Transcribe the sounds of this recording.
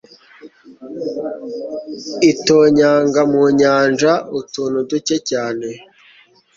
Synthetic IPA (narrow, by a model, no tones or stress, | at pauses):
itoːɲaːŋɡamuɲaːnʒautuːnuducecaːne